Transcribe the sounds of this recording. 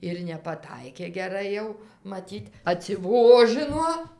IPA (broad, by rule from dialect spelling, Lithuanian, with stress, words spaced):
ɪr nʲɛpɐˈtɐɪkʲeː ɡʲɛˈrɐɪ jɛʊ mɐˈtʲiːt ɐtʲsʲɪˈʋoːʒɨnoː